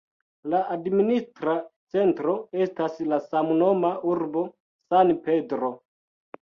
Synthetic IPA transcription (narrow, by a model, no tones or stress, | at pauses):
laʔadministɾat͡se̞ntɾo̞e̞staslasamuno̞mauɾbo̞ | sanpe̞dɾo̞